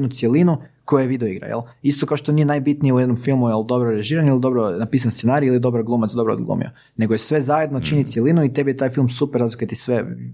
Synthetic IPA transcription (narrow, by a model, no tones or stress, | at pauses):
nut̪sjelinuko̞jujeʋid̪eoiɡɾa̰jḛl | ist̪okaoʃt̪o̞nije̞najbit̪nijeujɛd̪nomfilˠmujeld̪o̞bɾoɾeʒiːɾanilˠid̪o̞bɾonapiːs̬anst̪senaɾiilid̪o̞bɾaɡlˠuːmat̪sd̪o̞bɾo̰d̪ɡlˠṵmḭo̰ | ne̞ɡojesʋe̞zaje̞d̪not͡ʃinit̪sjelˠinuit̪e̞bijet̪aːjfilˠmsupeɾːazikat̪isʋe